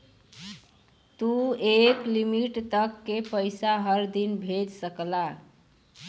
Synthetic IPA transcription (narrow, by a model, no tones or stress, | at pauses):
t̪ueklimiʈt̪əkːepəjsaɦəɾd̪inbʱed͡ʒsəkla